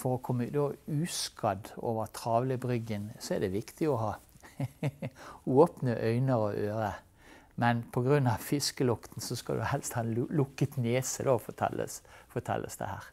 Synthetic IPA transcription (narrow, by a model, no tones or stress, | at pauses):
fɔɾɔkʰɔmːəd̪oːʉːskɑd̪oːʋəɾt̪ʰʁɑːʋləbɾʏɡənsɔɛd̪ɛʋɪkt̪ʰɪɔɦɑː | ʉːoːpnəʔœʏnəɾɔʔøːɾə | mɛnpʰɔɡɾʉnːɑʋfɪskəlʊkt̪n̩sɔskɑ̰d̪ʉhɛlst̪hɑːnlʊkːət̪neːsəd̪ofɔt̪ʰɛ̰lə̰sfɔt̪ʰɛ̰lʔə̰sd̪ɛ̰hæːʁ